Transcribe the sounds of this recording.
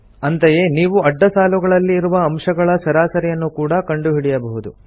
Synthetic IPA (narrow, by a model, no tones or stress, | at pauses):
ɐnt̪ɐje̞niːʋuɐɖːɐsaːluɡɐɭɐlːiːɾuʋɐːmʂɐɡɐɭɐsɐɾaːsɐɾɛjɐnːukuːɽɐkɐɳɖuɦiɽɛjɐbɐɦud̪u